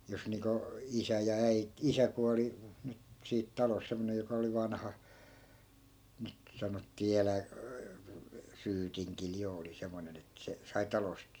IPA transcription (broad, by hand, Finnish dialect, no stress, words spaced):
jos niːŋko isæ jɑ æi isæ kuɑli nyt siːt tɑlos semːonej jokɑ oli ʋɑnhɑ nyt sɑnotːiː elæ syːtiŋkil jo oli semːonen et se sɑi tɑlost